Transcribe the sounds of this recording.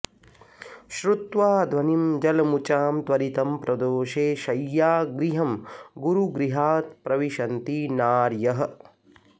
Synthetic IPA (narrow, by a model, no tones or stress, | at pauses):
ʃɾut̪ʋaːd̪ʱʋɐnimd͡ʒɐlɐmut͡ʃaːmt̪ʋɐɾit̪ɐmpɾɐd̪oːʃeːʃɐjːaːɡɾiɦɐmɡuɾuɡɾiɦaːt̪̚pɾɐʋiʃɐnt̪inaːɾjɐɦɐ̆